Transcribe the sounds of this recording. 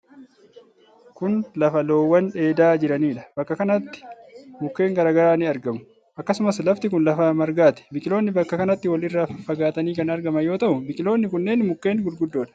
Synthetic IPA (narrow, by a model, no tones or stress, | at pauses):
kʊnlɐfɐlo̞ːwːɐnᶑe̞ːd̪aːd͡ʒɪɾɐniːᶑɐ̥b̥ɐkːɐkɐnɐt̪ːɪ̥mʊkːe̞ːŋɡɐɾaːɡɐɾaːnɪɐɾɡɐmʊ̥ | ʔɐkːɐsʊmɐslɐft̪ɪkʊnlɐfamɐɾɡaːt̪ɛ̥bɪkʼɪlo̞ːnːɪbɐkːɐkɐnɐt̪ːɪwɐlɪrːaːfɐfːɐɡaːt̪ɐniːkɐnɐɾɡɐmɐjo̞ːt̪ɐʔʊbɪkʼɪlo̞ːnːɪkʊnːe̞ːnmʊkːe̞ːnɡʊlɡʊd̪ːoːᶑɐ̥